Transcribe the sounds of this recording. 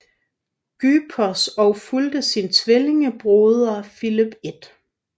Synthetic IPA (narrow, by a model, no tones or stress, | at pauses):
ɡ̥yːpʰɒsɒʊfuld̥əsint͡sʰʋele̝ŋəb̥ʁoːðˠɐfilib̥e̝d̥